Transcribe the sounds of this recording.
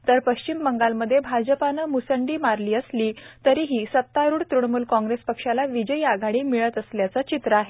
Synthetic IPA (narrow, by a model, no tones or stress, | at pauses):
t̪əɾpəɕt͡ɕimbəŋɡalməd̪ʱːjebʱad͡ʑəpanəmusəɳɖiːmaɾliːəsliːt̪əɾiːɦiːsət̪ːaɾuːɽt̪ɾuɳmuːlkɔ̃ŋɡɾespəkʂalaʋid͡ʑəiaɡaɽiːmiɭət̪əsljat͡sət͡ɕit̪ɾəaɦe